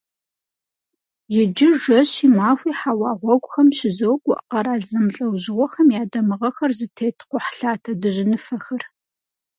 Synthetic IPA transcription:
jɪd͡ʒɪʒɐɕimaːfʷiːħawɑːʁʷɔɡʷʼʊxɐmʃɪzowɡʷʼɔʔqɐɾaːɮzɐmɬʼɐwʑɪʁʷɔxɐmjaːdɐmɨʁɐxɐrzɨtʰeːtʰqʷʊħɬaːtʰɐdɨʑɪnɨfɐxɐr

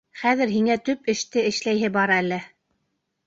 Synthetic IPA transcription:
χæðɘ̆ɾɦiŋæt̪ɵpɘ̆ʃt̪ɘɘ̆ʃlæjɦɘbɑɾɑælːɘ

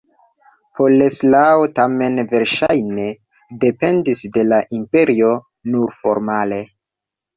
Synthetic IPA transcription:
pʰoleslaotame̞nve̞ɾʃajne̞ | de̞pe̞ndisde̞laʔimpe̞ɾio̞ | nuɾfo̞̰ɾmale̞

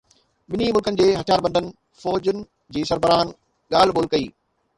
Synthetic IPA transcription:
ɓɪnimʊlkənɪ̆d͡ʑeːɦɐt̪ʰjaːɾbə̃nd̪ʱənɪ̆ | fɔːd͡ʑənɪ̆ | d͡ʑiːsɐɾbʱəɾaːn | ɠaːl̤ɓoːlkɐiː

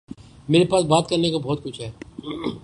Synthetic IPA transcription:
meːɾepaːsbaːt̪̚kɐɾnekabɔːt̪̚kʊt͡ʃʰɦɛː

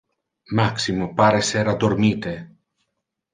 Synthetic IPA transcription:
maksimopaɾeseɾad̪oɾmit̪e

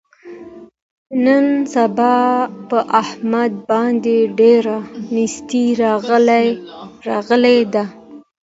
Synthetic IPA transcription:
nənsabɑpəʔahmad̪̚bɑnd̪eɖeɾanist̪iɾɑɣlaɾɑɣəled̪a

